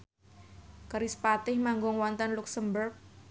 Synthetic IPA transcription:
kəɾispat̪ɪhmaŋɡɔŋwɔnt̪ənluksəmbərk̚

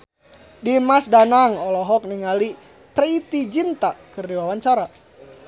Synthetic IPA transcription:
dimasdanaŋɔlɔɦɔk̚niŋali | pɾɛit̪id͡ʒint̪akɨrdiwawaɲt͡ʃaɾa

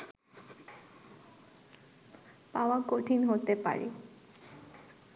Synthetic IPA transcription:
paoakoʈʰinɦot̪epa̰ɾḛ

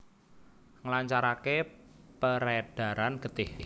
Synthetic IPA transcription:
ŋəlaɲt͡ʃaɾake | pəɾed̥a̤ɾanɡ̥ə̤t̪ɪh

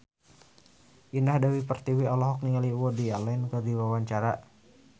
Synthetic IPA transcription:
ʔinahdawipərt̪iwiɔlɔɦɔk̚niŋaliwɔdialɛnkɨrdiwawaɲt͡ʃaɾa

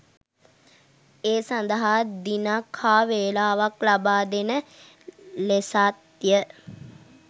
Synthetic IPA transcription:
eːsand̪əɦad̪inakʰhaːʋeːlaːʋaklabaːd̪enə | lesat̪jə

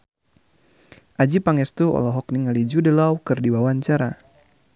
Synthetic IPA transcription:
ʔad͡ʒipaŋɛst̪uɔ̰lɔɦɔk̚niŋalid͡ʒudəlawkɨrdiwawaɲt͡ʃaɾa

